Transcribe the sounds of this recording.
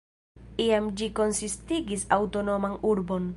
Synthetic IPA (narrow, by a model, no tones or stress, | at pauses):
iamd͡ʒiko̞nsistiɡisawto̞no̞manuɾbo̞n